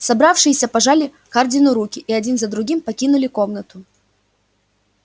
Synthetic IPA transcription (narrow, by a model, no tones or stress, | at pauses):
sɐbɾafʂɨjɪsʲɐpɐʐalʲɪ | kardʲɪnʊɾukʲɪʔiɐdʲinzəd̪ɾʊɡʲimpɐkʲinʊlʲɪko̞mnət̪ʊ